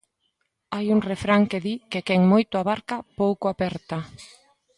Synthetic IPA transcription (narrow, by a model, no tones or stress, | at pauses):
ajuŋrefɾaŋkeðikekɛŋmojt̪ʊaβaɾkapowkʊapɛɾt̪a